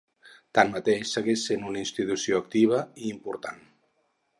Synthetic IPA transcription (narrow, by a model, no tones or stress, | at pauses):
t̪anmət̪eʃsəɣeʃsenunəinst̪it̪usioək̚t̪iβ̞əiːmpuɾt̪a̰n